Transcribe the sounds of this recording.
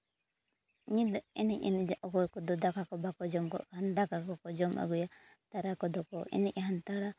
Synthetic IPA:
ɲid̪ɔɛnɛc̚ɛ̰nɛd͡ʒʔɔkɔkɔd̪ɔd̪akakɔbakɔd͡ʒɔmɡɔ̰ʔkaand̪akakɔkɔd͡ʒɔma̰ɡɔjat̪aɾakɔd̪ɔkɔɛ̰nɛc̚ɦant̪aɽa

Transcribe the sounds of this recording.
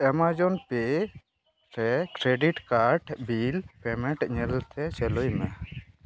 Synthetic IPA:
ɛmad͡ʒɔnpe | ɾɛkɾeɖiʈkaɾʈbilpɛmɛ̃ʈɲɛlt̪ʰɛt͡ʃɛlujma

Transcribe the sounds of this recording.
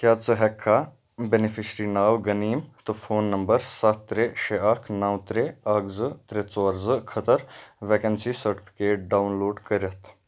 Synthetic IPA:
kjaːt͡sɨɦɛkʰːa | benifʰiʃɾinaːwɡɐniːmt̪ɨfʰoːnːɐmbəɾsɐt̪t̪ːɾeʃeɐkʰnɐwt̪ɾeɐkzɨt̪ɾet͡soːɾzɨkʰɐt̪əɾʋekɐnsisɐɾʈi̥pʰi̥keːʈ̚ɖaːwnloːɖkəɾɐt̪ʰ

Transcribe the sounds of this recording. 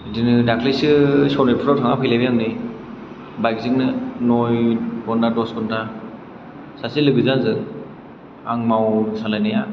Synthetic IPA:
dinɯdakʰlisɯsɔnipʰuɾɔtʰaŋapʰɯjlabijaŋni | bajk̚ziŋnɯnojbɔndadɔskuntʰa | sasilɯɡɯzazɯ | aŋmawsalajnaja

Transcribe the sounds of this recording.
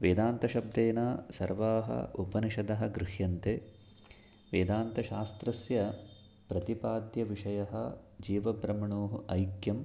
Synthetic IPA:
ʋeːd̪aːnt̪ɐʃɐb̚d̪eːnaːsɐɾʋaːɦɐ̰upɐniʃɐd̪ɐɦɐɡɾɪɦjɐnt̪eː | ʋeːd̪aːnt̪ɐʃaːst̪ɾɐsjɐ | pɾɐt̪ipaːd̪jɐʋiʂɐjɐɦɐ̰d͡ʒiːʋɐbɾɐmɐɳoːɦuʔɐjkjɐm

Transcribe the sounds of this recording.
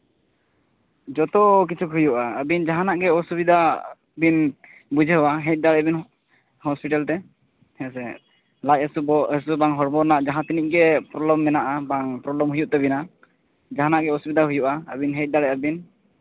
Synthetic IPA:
d͡ʒɔt̪ɔk̬it͡ʃʰukɦujuʔaəbind͡ʒaɦãnaʔɡɛɔsubid̪ʱa | bin | bud͡ʒʱɛɦɔwaɦɛt̚d̪aɽɛbin | hɔspiʈalt̪ɛ | hɛsɛ | lajsuɔɛsubaŋɦɔɾbɔɾnaʔd͡ʒaɦãt̪iniʔ̚ɡɛpɾɔblɔmːɛnaʔabaŋpɾɔblɔmɦujuʔt̪ɛbina | d͡ʒaɦanaʔɡɛɔsubid̪aɦujuʔaəbinɦɛc̚d̪aɽɛabin

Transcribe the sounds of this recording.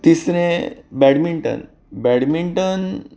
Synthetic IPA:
t̪isɾẽbɛɽmiɳʈə̰n | bɛɽmiɳʈən

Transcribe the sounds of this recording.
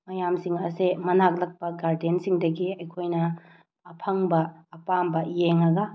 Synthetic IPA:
mɐjamsiŋɐsemɐnak̚lɐk̚pɐɡaɾdensiŋdɐɡiɐjkʰojnɐː | pʰɐŋbɐːpambɐjeŋɐɡɐ

